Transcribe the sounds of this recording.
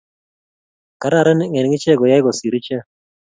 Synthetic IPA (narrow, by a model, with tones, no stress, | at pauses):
ka˨ɾa˦˨ɾɛ˦n˦ŋɛ˨nŋɪ˦t͡ʃɛ˦˨ɡɔ˨ja˦ɪ˦ɡɔ˨si˨ɾi˦t͡ʃɛ˦